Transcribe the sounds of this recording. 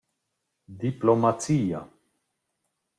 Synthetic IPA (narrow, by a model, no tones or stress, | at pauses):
d̪iplomat͡sia̰